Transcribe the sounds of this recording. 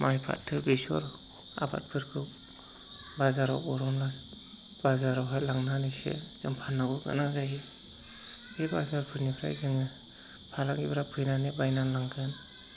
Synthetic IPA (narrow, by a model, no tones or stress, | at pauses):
majpʰa̰tʰːɯbesɔ̰ɾ | a̰ba̰t̚pʰɯɾkʰɯ | bazaɾɔ̰wbɔɾɔmlas | b̥azaɾɔwɦajlaŋnanisḛz̥ɯŋpʰanːaɡɯɡɯ̰nazaji | hebazaɾpʰɯɾnipʰɾa̰jzɯŋɯ | pʰalaŋɡibɾapʰɯjnanebajnanlaŋkʰɯn